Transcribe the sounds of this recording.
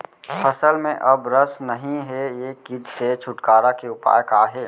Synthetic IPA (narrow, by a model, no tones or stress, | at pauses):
fʰɐsəlmẽʔɐbɾɐsnɐɦĩɦɛjeːkɪd̪set͡ʃʰʊʈkaːɾakeʊpa̰ːjkaːɦɛː